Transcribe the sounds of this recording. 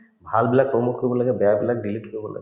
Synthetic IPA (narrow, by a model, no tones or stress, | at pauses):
bʱalbilak̚pɾɔmukkːɔɾibɔlaɡebɛabilak̚ɖiliʈkɔɾibɔla̰ɡ